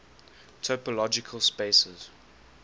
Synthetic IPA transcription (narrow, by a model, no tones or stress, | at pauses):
tʰɔpəlɔd͡ʒɪkʰəlˠspesəz̥